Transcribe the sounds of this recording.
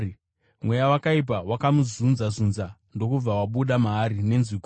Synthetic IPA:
mwe̞jawakaip̬awakamuzunzazunzando̞kub͡vawaɓuɗamaːɾine̞nziko

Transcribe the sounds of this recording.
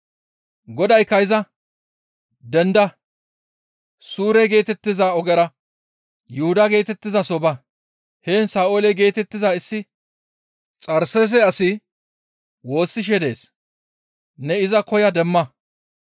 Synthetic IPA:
ɡɔd̪ɐjkɐjɪzɐ | d̪ɛnd̪ɐ | suːɾɛɡe̞ːt̪ɛt̪ːɪzɐɔɡɛɾɐ | jʊhʊd̪ɐɡe̞ːt̪ɛt̪ːɪzɐsɔbɐ | heːnsaːoːlɛɡe̞ːt̪ɛt̪ːɪzaɪsːɪ | t͡sʼɐɾsɛs̬ɛɐsɪ | wo̞ːsːɪʃ̬ɛd̪e̞̰ːs | nɛɪzɐkɔjɐd̪ɛmːɐ

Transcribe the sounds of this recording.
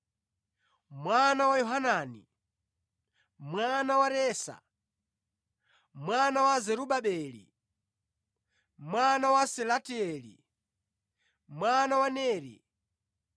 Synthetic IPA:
mwanawajɔɦanaːnḭ | mwanawaɾɛːsa̰ | mwanawazɛɾuɓaɓɛːlḭ | mwanawasɛlatiɛlḭ | mwanawanɛːɾḭ

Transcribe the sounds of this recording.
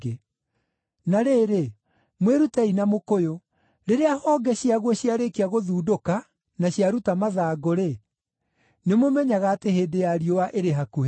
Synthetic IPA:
e | naɾeːɾe | mweɾutainamokojo | ɾeɾeahɔːɡɛɕiaɣwɔɕiaɾekiaɣoðuːdoka | naɕiaɾutamaðaːɡoɾe | nemomɛɲaɣaːteheːdejaɾiowaʔeɾeɦaku

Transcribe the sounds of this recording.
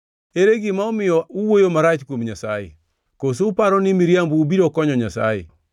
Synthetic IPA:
eɾeɡɪmaomɪjɔuwojomaɾat͡ʃkwomɲasajḛ | kosoːpaɾɔnɪmiɾjambuːbiɾɔkɔɲɔɲasa̰jḛ

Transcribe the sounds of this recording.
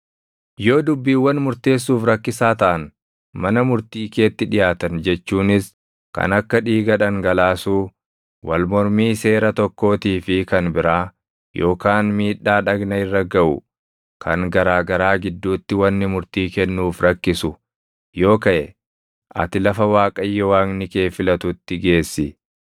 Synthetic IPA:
jo̞ːd̪ʊbːiːwːɐnmʊɾt̪e̞ːs̬ːuːfɾɐkːɪsaːt̪ɐʔɐn | mɐnɐmʊɾt̪iːke̞ːt̪ːɪᶑɪjaːt̪ɐnd͡ʒɛt͡ʃːuːnɪs | kɐ̰nɐkːɐᶑiːɡɐᶑɐŋɡɐlaːsuː | wɐlmɔɾmiːse̞ːɾɐt̪ɔkːo̞ːt̪iːfɪkɐnbɪɾaː | jʔo̞ːkaːnmiːᶑːaːᶑɐɡnɐɪrːɐɡɐʔʊ̰ | kʰɐŋɡɐɾaːɡɐɾaːɡɪd̪ːuːt̪ːɪwɐnːɪmʊɾt̪iːkɛnːuːfɾɐkːɪsʊ | jo̞ːkɐʔɛ | ʔɐ̰t̪ɪlɐfɐwaːkʼɐjːɔwaːŋnɪke̞ːfɪlɐt̪ʊt̪ːɪɡe̞ːsːɪ

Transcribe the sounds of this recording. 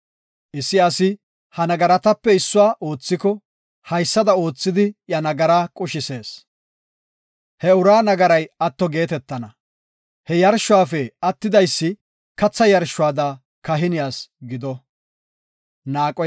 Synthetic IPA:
ʔɪsːɪɐsɪ | hɐnɐɡɐɾɐt̪ɐpːɛɪsːʊwaːʔo̞ːt͡sːɪkɔ | hɐjsːɐd̪ɐo̞ːt͡sːɪd̪ɪjɐnɐɡɐɾaːkʼʊʃɪse̞ːs | hɛʊɾaːnɐɡɐɾɐjɐt̪ːɔɡe̞ːt̪ɛt̪ːɐnɐ | hɛjɐɾʃːʊaːfɛɐt̪ːɪd̪ɐjsːɪ | kɐt͡sːɐjɐɾʃːʊaːd̪a | kɐɦɪnɪjaːsɡɪd̪ɔ | naːkʼɔ

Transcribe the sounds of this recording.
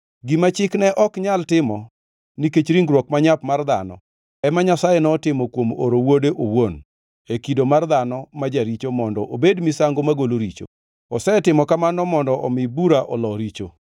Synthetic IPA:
ɡimat͡ʃɪknɛʔɔkɲaltɪmɔ | niket͡ʃɾiŋɡɾwɔkmaɲapmard̪a̰nɔ̰ | ɛmaɲasajɛnɔtɪmɔkwomo̰ɾowodeʔowon | ekidomard̪anɔmad͡ʒaɾit͡ʃomɔndɔʔobedmisaŋɡomaɡoloɾit͡ʃo̰ | ɔsɛtɪmɔkamanɔmɔndɔʔɔmɪbuɾaʔɔlɔɾit͡ʃo

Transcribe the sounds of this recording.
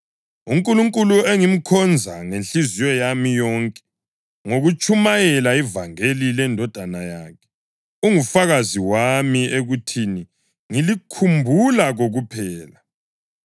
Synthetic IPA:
uŋkʼuluŋkʼulueŋim̩kʰɔnd͡zʱa̰ŋenɬizijɔjamijɔŋkʼɛ̥ | ŋoɣut͡ʃʼumajɛlaivaŋelilɛndʱɔd̥ʱanajaːkʰɛ̥ | uŋufaɣaziwamieɣutʰini | ŋilikʰumbʱulaɣoɣupʰɛːla

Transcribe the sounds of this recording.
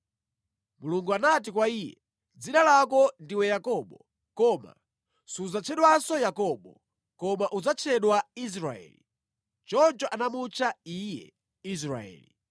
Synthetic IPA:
muluŋɡuanat̬ikwaiːjɛ | d͡zinalakɔndiwɛjakɔɓɔ | kɔma̰ | suzat͡ʃʰɛɗwasɔjakɔɓɔ | kɔmaʔud͡zat͡ʃʰɛɗwais̬ɾaɛ̰ːli | t͡ʃɔnt͡ʃɔʔanamut͡ʃʰaijɛ̰ | is̬ɾa̰ɛ̰ːli

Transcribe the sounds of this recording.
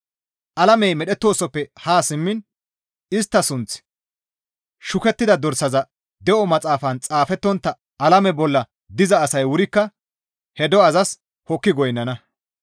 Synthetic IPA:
ʔɐlɐmɛjmɛɗɛt̪ːo̞ːsɔpːɛhaːsɪmːɪn | ɪst̪ːɐsʊnt͡s | ʃʊkɛt̪ːɪd̪ɐd̪ɔɾsɐzɐ | d̪ɛʔɔmɐt͡sʼaːfɐnt͡sʼaːfɛt̪ːɔnt̪ːɐ | ɐlɐmɛbɔlːɐ | d̪ɪzɐːsɐjwʊɾɪkːɐ | hɛd̪ɔɐzɐs | hɔkːɪɡɔjnːɐnɐ

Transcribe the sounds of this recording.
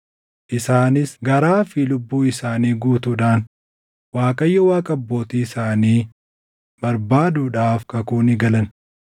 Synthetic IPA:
ʔɪsaːnɪsɡɐɾaːfilʊbːuːɪsaːniːɡuːt̪uᶑaːn | waːkʼɐjːɔwaːkʼɐɐbːo̞ːt̪iːɪsaːniː | b̥ɐɾbaːd̪uːᶑaːfkɐkuːnɪɡɐlɐn

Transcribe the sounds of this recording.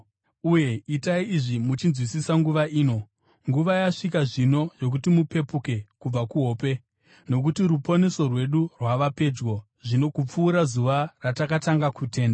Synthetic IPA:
uje̞itaiiʐimut͡ʃinzwisisaŋɡuʋaiːno̞ | ŋɡuʋajaʂik̬aʐino̞jo̞k̬utimupe̞puke̞kub͡vakuɦo̞ːpe̞ | no̞k̬utirupo̞ne̞so̞rwe̞ɗurwaʋape̞d͡ʒɡo̞ | ʐino̞kup͡fuːɾazuʋaratakataŋɡakute̞ːnda

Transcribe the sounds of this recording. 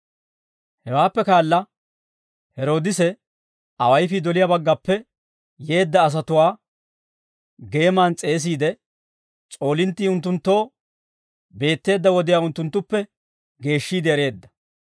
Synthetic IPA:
hɛwaːpːɛkaːlːɐ | hɛɾo̞ːd̪ɪsɛ | ɐwɐjfɪd̪ɔlɪjaːbɐɡːɐpːɛ | je̞ːd̪ːɐːs̬ɐt̪ʊwaː | ɡe̞ːmaːnt͡sʼe̞ːs̬iːd̪ɛ | t͡sʼo̞ːlɪnt̪ːiːʊnt̪ːʊnt̪ːo̞ː | be̞ːt̪ːe̞ːd̪ːɐwɔd̪ɪjaːʊnt̪ːʊnt̪ːʊpːɛ | ɡe̞ːʃːiːd̪ɛɛɾe̞ːd̪ːɐ̥

